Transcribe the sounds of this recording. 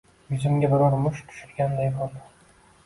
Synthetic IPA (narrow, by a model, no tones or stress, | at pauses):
jʊzɪmɡʲabɪɾɒɾmʊʃt̪ʰʊ̥ʃʊɾɡʲand̪ajbɒld̪ɪ